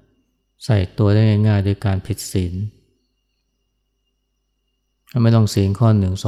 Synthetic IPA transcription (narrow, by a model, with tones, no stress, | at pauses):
sa˨˩jt̪u˧ɐdaː˥˩jŋaː˥˩jŋaː˥˩jdo˧jkaː˧npʰi˨˩t̪̚si˩˦n | a˥˩ma˥˩jt̪ɔ˥˩ŋsiː˩˦nkʰɔː˥˩nːɯ˨˩˦ŋsɔ˨˦